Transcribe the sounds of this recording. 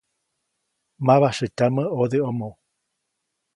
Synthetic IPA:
maβasɨtaməoðeomõ

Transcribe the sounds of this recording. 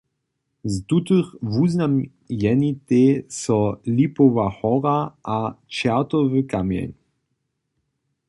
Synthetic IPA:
zd̪ut̪əχvuznam | jɛnit̪eːsɔlipɔvaxɔʁaʔat͡ʃat̪ɔvəkamjɛ̰nʲ

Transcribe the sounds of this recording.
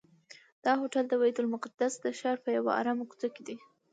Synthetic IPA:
d̪̥ɑɦoʈald̪əwajid̪ʊlmʊqad̪asd̪əʃɑɾpəjawa̰a̰ɾamaku̥t͡s̪aked̪i

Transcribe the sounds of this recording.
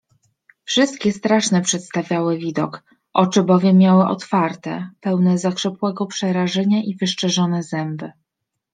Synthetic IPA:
fʂɘst̪̚kʲɛst̪ɾaʂnɛpʂɛt̪st̪avʲjawɘvʲid̪ɔ̰k | ʔɔt͡ʂɘbɔvʲjɛmːʲjawɘʔɔ̰t̪faɾt̪ɛ̰pɛwnɛzakʂɛpwɛɡɔpʂɛɾaʐɛɲaʔivɘʂt͡ʂɛʐɔnɛzɛmbɘ

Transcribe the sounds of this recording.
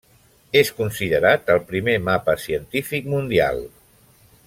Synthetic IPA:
eskunsiðəɾat̪əlˠpɾimemapəsiənt̪ifikmund̪ia̰lˠ

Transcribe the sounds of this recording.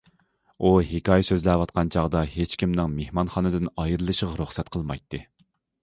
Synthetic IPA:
uhekɑːjɛsøzlɛwɑt̪̚qʰɑnt͡ʃʰɑʁd̪ɑhet͡ʃkʲʰimnɪŋmehmɑnχɑnɨd̪ɨnɑjiɾɨlˠɨʃəʁɑɾuχsɛt̪qʰəlˠmɑjt̪ʰːɨ

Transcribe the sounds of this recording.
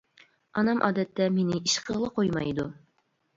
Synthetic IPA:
ɒnɑmʔɒ̰d̪æt̪ːæminɪiʃqɤ̆lˠɤqojmɑ̰id̪u

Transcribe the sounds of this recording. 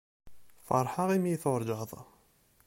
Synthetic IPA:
fɑ̰ɾˤħɑʁimjiθʊɾˤd͡ʒəðˤɑ̰

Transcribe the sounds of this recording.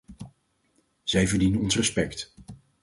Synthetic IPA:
z̥ɛjvəɹdinənɔnsrəspɛkt

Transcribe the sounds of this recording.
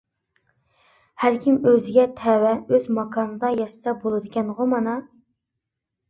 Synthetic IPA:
hæɾkʲʰimøzɪɡʲɛt̪ʰɛwɛøzmɑkʰɑnɨd̪ɑjɑʃɨ̥sɑbolˠɨd̪ɨkʲɛnʁʊmɑnɑ

